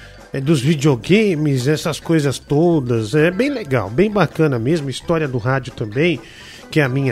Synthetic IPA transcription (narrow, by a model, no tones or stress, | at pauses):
ɛd̪ʊzvid͡ʒioɡẽmɪzɛsɐskojzɐst̪od̪ɐzɛbẽj̃leɡa̰wbẽj̃bakɐ̃nɐmezmʊist̪ɔɾiɐd̪ʊɦad͡ʒʊt̪ɐ̃mbẽj̃ | kɪɛɐmĩɲɐ